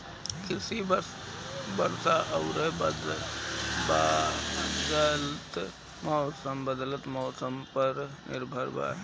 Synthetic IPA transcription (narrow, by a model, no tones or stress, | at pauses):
kɪsib | bəɾsaʔəʊɾəɦd̪ | b | d̪əlt̪ | mɔsəmbəd̪lət̪mɔːsəmpəɾnɪ̰ɾbʱəɾba̰